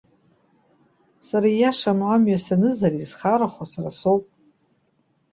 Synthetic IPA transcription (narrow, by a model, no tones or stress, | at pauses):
saɾaijaʂanamɥasanɨzaɾizχaɾaχʷasarasowpʼ